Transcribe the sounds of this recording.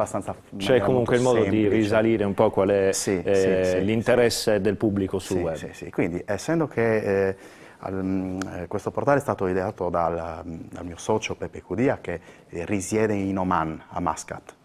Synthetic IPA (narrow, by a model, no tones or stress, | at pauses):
abast̪ansa | t͡ʃmɛɛkːomuŋkkweilmɔːd̪oɛirizaliːɾeumpɔkwalɛsisilint̪ɛɾɛsːed̪elpublikosuɛsḭsḭkwind̪iʔɛsːɛnd̪okʰe | a̰ | kwest̪opoɾt̪aːleɛst̪aːt̪oid̪eaːt̪od̪ald̪a̰lmiːosɔt͡ʃopepekud̪iːake | risjɛːd̪einɔmana̰mːa̰ska̰t̪